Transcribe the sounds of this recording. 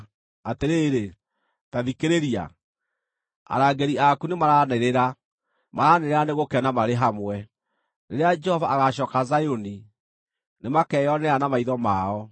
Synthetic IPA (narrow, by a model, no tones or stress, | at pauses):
ateɾeːɾe | taðikeɾeɾia̰ | a̰ɾaːɡeɾiakunemaɾanɛɾeɾa | maɾaneɾeɾaneɣokɛnamaɾeɦamwɛ | neɾead͡ʒɛhɔvaːɣaɕɔːkazajoni | nemakɛjɔneanamaiðɔmaɔ